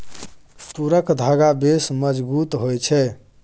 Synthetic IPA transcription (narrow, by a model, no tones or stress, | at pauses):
st̪uɾəkd̪ʱaɡabesməd͡ʒbut̪ɦojt͡ʃʰɛ